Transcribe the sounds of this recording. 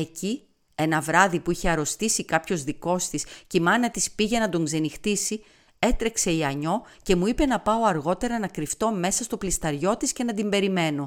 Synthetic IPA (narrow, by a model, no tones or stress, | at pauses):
e̞ci | e̞nɐvɾɐðipuiçe̞ɐɾo̞st̪isikɐpço̞zðiko̞st̪iscimɐnɐt̪ispiʝe̞nɐd̪o̞ŋɡze̞nixt̪isi | e̞t̪ɾe̞kse̞iɐɲo̞ce̞muipe̞nɐpɐo̞ɐɾɣo̞t̪e̞ɾɐnɐkɾift̪o̞me̞sɐst̪o̞plist̪ɐɾʝo̞t̪isce̞nɐd̪imbe̞ɾime̞no̞